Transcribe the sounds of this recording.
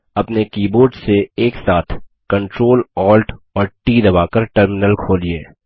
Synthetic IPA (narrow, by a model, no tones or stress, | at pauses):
ɐpnekiːboːɾɖseeːksaːt̪ʰ | kɐ̃ɳʈɾoːlɔːlʈɔːɾʈiːd̪ɐbaːkəɾʈəɾmɪnəlkʰoːlieː